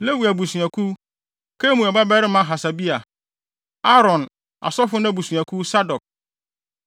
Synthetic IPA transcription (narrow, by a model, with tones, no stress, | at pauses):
le˦wi˨æ˨bu˨su˨a˨kʰu˦ | kʰe˦mũ˨ɛ˨ba˦bɛ˦ɾɪ˦mã˦ɦa˨sa˨bi˦a˨ | a˦ɾɔ̃˨n | a̰˨sɔ˦fʊ˦nã˦bu˨su˨a˨kʰu˦sa˦dɔ˨k̚